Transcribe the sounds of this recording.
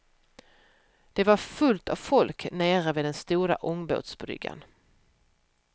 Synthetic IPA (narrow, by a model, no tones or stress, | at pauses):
d̪̥ɛvaɾfɵlt̪avfɔlkneːɾəvɪːd̪ɛnst̪uːɾa̰ʔɔŋbo̰ːt̪sbɾʏ̰ɡːa̰n